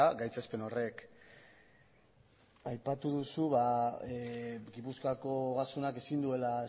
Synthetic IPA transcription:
aɡajt͡sespe̞no̞re̞k | ajpat̪uðusuβa | ɡipuskako̞ɣasunake̞sind̪ue̞lae

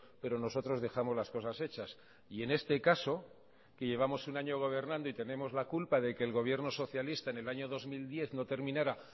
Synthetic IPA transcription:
pe̞ɾo̞no̞so̞t̪ɾo̞zðe̞xamo̞zlasko̞sase̞t͡ʃas | ie̞ne̞st̪e̞kaso̞ | ke̞ʝe̞β̞amo̞sunaɲo̞ɣ̞o̞β̞e̞ɾnãnd̪oit̪e̞nẽ̞mo̞zlakulpaðe̞ke̞ːlɣ̞o̞β̞je̞ɾno̞so̞θjalist̪aene̞laɲo̞ðo̞zmild̪je̞θno̞t̪e̞ɾmĩnaɾa

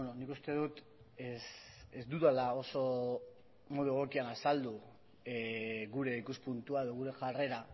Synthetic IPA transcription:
nonikust̪e̞ðut̪ | esezd̪uðalao̞so̞ | mo̞ðue̞ɣ̞o̞kianasald̪u | ɣuɾe̞ikuspunt̪uae̞ðo̞ɣuɾe̞ʝare̞ɾa

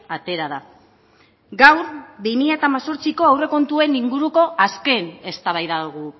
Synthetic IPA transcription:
at̪e̞ɾað̞a | ɡawɾbimiʎaet̪aːmaso̞ɾt͡siko̞awre̞ko̞nt̪ue̞niŋɡuɾuko̞ʔaske̞ne̞st̪aβajðaɣ̞u

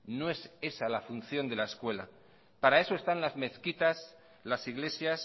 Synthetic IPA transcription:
no̞e̞se̞salafun̟θjo̞nd̪e̞laeskwe̞la̰ | paɾae̞so̞est̪anlazme̞θkit̪as | lasiɣle̞sjas

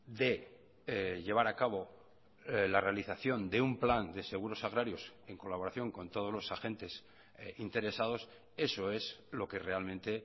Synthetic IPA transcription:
d̪e̞ | ʎe̞β̞aɾakaβ̞o̞ | lare̞aliθaθjo̞nd̪e̞umpland̪e̞se̞ɣ̞uɾo̞saɣɾaɾjo̞se̞ŋko̞laβo̞ɾaθjo̞ŋko̞nt̪o̞ð̞o̞zlo̞saxe̞nt̪e̞s | int̪e̞ɾe̞sað̞o̞s | e̞so̞e̞zlo̞ke̞re̞almẽnt̪e̞

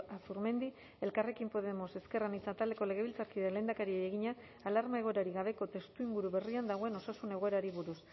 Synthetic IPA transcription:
asuɾme̞nd̪i | e̞lkare̞kimpo̞ðe̞mo̞se̞ske̞ranit͡sat̪ald̪e̞ko̞le̞ɣ̞e̞βilt͡saɾkiðele̞ːnd̪akaɾiejeɣ̞iɲaː | laɾmae̞ɣ̞o̞eɾaɾiɣaβ̞e̞ko̞t̪e̞st̪uiŋɡuɾuβe̞riand̪aɣ̞o̞e̞no̞sasune̞ɣ̞o̞eɾaɾiβuɾus

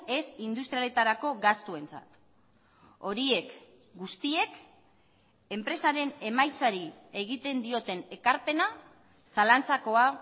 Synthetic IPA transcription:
e̞sind̪ust̪ɾijale̞t̪aɾako̞ɡast̪ue̞nt͡sa̰t̪ | o̞ɾie̞k | ɡust̪ie̞k | e̞mpɾe̞saɾe̞ne̞majt͡saɾie̞ɣit̪e̞nd̪io̞t̪e̞ne̞kaɾpe̞na | salant͡sako̞a

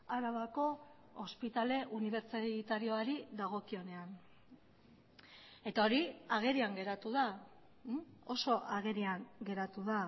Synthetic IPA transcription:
aɾaβako̞ː | spit̪ale̞ʔuniβ̞e̞ɾt͡sat̪aɾioaɾiðaɣ̞o̞kio̞ne̞an | e̞t̪ao̞ɾiaɣ̞e̞ɾiaŋɡe̞ɾat̪uða | o̞so̞ʔaɣeɾiaŋɡe̞ɾat̪uða

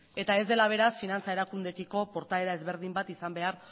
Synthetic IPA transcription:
e̞t̪ae̞zd̪e̞laβ̞e̞ɾasfinant͡sae̞ɾakund̪e̞kiko̞po̞ɾt̪aeɾae̞zβe̞ɾð̞imbat̪isambe̞aɾ

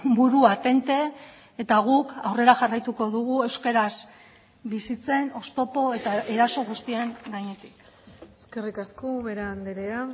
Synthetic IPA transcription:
buɾuat̪e̞nt̪e̞ː | t̪aɣ̞ukawre̞ɾaʝarajt̪uko̞ðuɣ̞ue̞wske̞ɾaz | bisit͡se̞no̞st̪o̞po̞e̞t̪ae̞ɾaso̞ɣ̞ust̪ieŋɡaɲe̞t̪i̥k | eske̞rikaskoβeɾeand̪eɾea

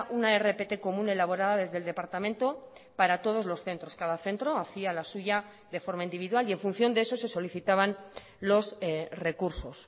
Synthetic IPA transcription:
unae̞re̞pe̞t̪e̞ko̞mũne̞laβ̞o̞ɾaðaðe̞zðe̞ld̪e̞paɾt̪amẽnt̪o̞paɾat̪o̞ð̞o̞zlo̞sθe̞nt̪ɾo̞skaðaθe̞nt̪ɾo̞aθialasuʝa | ðe̞fo̞ɾmaind̪iβiðwalie̞ɱfũn̟θjo̞nd̪ee̞so̞se̞so̞liθit̪aβan | lo̞sre̞kuɾso̞s

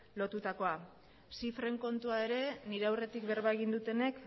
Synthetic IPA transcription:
lo̞t̪ut̪ako̞a | sifɾe̞ŋko̞nt̪uae̞ɾe̞niɾe̞awre̞t̪ikβe̞ɾβaeɣ̞ind̪ut̪e̞ne̞k

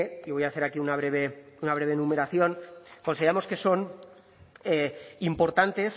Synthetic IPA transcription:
iβo̞jaθeɾakiunaβ̞ɾe̞β̞e̞unaβ̞ɾe̞β̞enũme̞ɾaθjo̞nko̞nsiɾamo̞ske̞so̞n | eimpo̞ɾt̪ant̪e̞s

